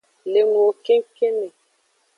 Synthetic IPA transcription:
le˨nu˨o˨ke˦ŋ˦ke˦ne˨

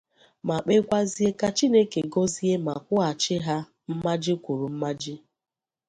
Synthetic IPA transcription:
ma˨k͡pe˦kʷa˦zi˦e˦ka˦t͡ʃi˦ne˦ke˨ɡɔ˦zi˦e˦ma˨kʷʊ˦a˨t͡ʃɪ˦ɦa˦ | m̩˦ma˦d͡ʒɪ˦kʷu˨ɾu˨m̩˦ma˦d͡ʒɪ˦

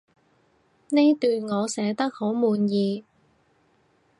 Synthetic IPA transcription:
ne˥jt̪yː˨˧nŋɔː˨˧sɛː˨˥t̪ɐ˥k̚ho˨˥wmuː˨˧njiː˧

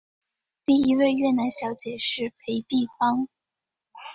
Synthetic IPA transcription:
t̪i˥˩i˧˥we˥˧ɪɥɛ˥˩na˧˥nɕjɑ˧˥ʊt͡ɕjɛ˨˩ʂɻ̩˥˩pʰe˧˥ɪt̪i˥˩fɑ˥ŋ

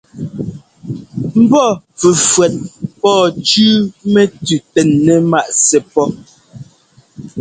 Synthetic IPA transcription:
m̩˦bɔ˦˨ | fʉ˨fwɛ˨t̚pɔː˦˨t͡ʃʉː˦mɛ˦tʉ˨tɛ˨nːɛ˨ma˦˨ʔsɛ˨pɔ˦

